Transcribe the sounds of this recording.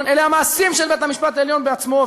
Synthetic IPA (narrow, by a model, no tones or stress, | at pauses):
neleamaːsimʃelbet̪amiʃpat̪aeljo̞nbeat͡smo̞